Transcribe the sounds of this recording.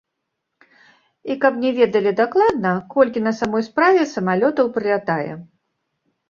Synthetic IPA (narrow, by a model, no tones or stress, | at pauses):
ikɐpnʲɛvʲɛd̪ɐlʲid̪aklˠad̪nɐkɔlʲkʲin̪ɐsamɔjspɾavʲɛsɐmalʲɔt̪ɐwpɾɨlʲat̪ajɛ̰